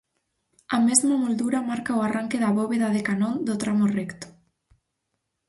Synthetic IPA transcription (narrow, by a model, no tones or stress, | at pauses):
ɐmezmɐmold̪uɾɐmaɾkaoaraŋkɪðɐβoβeðɐðekanond̪ʊt̪ɾamorɛkt̪ʊ̥